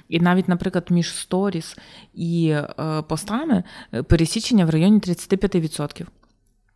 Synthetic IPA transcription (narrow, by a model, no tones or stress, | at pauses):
inavʲitʲnɐpɾɨklˠɐt̪mʲiʂst̪oɾʲisi | pɔst̪amɨpɪɾʲɪsʲit͡ɕɪnʲːjəvrɐjonʲɪt̪ɾʲɨt̪sʲɪ̥tʲipʲɐt̪ɨʋʲɪt̪sot̪kʲɪf